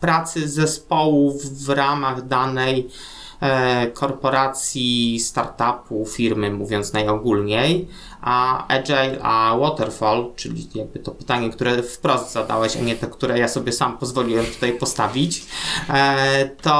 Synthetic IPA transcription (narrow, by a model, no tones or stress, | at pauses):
pɾat̪sɘzɛspɔwufːɾamaɣd̪anɛj | kʰɔɾpɔɾat̪sʲjist̪aɾt̪apufʲiɾmɘmuvʲjɔnt̪snajɔɡulɲej | ʔaɛd͡ʐɛjawɔt̪ɛɾfɔlt͡ʂɘlʲḭjaɡ̚bɘt̪ɔpɘ̥t̪aɲɛkt̪uɾɛfpɾɔsd̪zad̪a̰wɛɕa̰ɲɛt̪ɛkt̪uɾɛjasɔbʲjɛsampɔzvɔlʲiwɛmt̪u̥t̪ajpɔst̪avʲit͡ɕ | t̪ɔ